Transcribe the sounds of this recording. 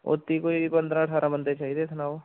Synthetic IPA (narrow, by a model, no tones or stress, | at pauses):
o̰t̪ːiːkoipə̃nd̪ɾãːəʈʰaːɾʔãːbənd̪et͡ʃaːɦiːd̪eːsʰnaːo